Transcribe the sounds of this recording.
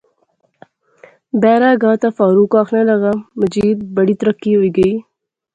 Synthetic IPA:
beːɾaːɡɑːt̪afɑːɾukɑːxnalɐɣamɐd͡ʒiːd̪̚bɐɽit̪ɾəkːiojɡəi

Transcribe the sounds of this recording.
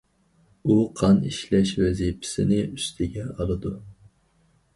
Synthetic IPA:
uqʰɑniʃlɛʃwɛzipʰɪ̥sɪnɪyst̪ʰɪɡʲɛɑlˠɨd̪u

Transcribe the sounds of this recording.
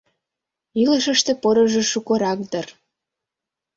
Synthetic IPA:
iləʃə̆ʃt̪ĕpoɾə̆ʒĕʃukoɾɑk̚d̪ər

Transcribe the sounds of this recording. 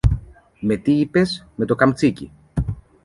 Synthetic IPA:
me̞t̪iipe̞sme̞t̪o̞kɐmt͡sicḭ

